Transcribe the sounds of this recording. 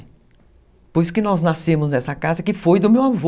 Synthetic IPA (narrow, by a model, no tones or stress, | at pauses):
pojskɪnɔznasẽmʊznɛsɐkazɐkɪfojd̪ʊmewavo